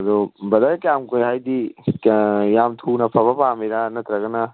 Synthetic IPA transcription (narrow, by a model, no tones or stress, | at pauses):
ɐd̪ɔbɐdakjamkojɦajdi | jamtʰunɐpʰɐbɐpamiɾanɐt̪ɾɐɡɐnɐ